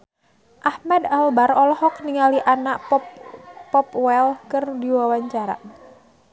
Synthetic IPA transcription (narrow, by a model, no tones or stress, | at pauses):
ʔahmɛd̪albaɾɔlɔhɔk̚niŋaliʔanaʔpɔppɔpwɛlkɨrdiwawaɲt͡ʃaɾa̰